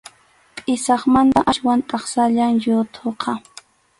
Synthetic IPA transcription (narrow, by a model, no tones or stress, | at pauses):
qʼɪsɑχmant̪aʔaʃwant̪ʼɑχsaʎaŋjʊt̪ʰoqʰɑ